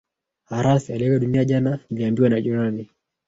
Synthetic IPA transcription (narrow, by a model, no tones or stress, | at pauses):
aɾasialɛkadunijad͡ʒananiliambiwanad͡ʒuɾani